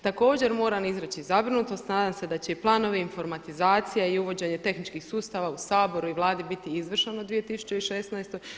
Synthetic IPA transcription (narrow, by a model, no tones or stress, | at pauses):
t̪ako̞ːd͡ʑe̞ɾmo̞ːɾanizɾet͡ɕizabɾinut̪ost̪naːd̪amse̞d̪at͡ɕe̞iplˠaːno̞ʋeinfo̞ɾmat̪izaːt̪sijaiuʋo̞d͡ʑe̞ɲe̞t̪e̞xnit͡ʃkixsuːst̪aːʋausaːbo̞ɾuiʋlˠaːd̪ibit̪iizʋr̩ʃenod̪ʋijet̪isu̥t͡ɕeiʃesnaest̪o̞j